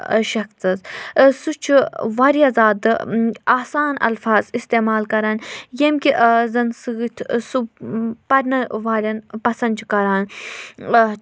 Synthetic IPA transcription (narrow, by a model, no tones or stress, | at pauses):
ʃɐkt͡sɐzsut͡ʃʰiʋaːɾiɐzaːd̪ɨaːsaːnɐ̰lfaːzist̪eːmaːlkɐɾaːnjemkʲiʔzɐnsɨɡɨt̪ʲʰsupɐɾʲnɐʋaːlʲɐnpɐsɐnt͡ʃʰikɐɾaːn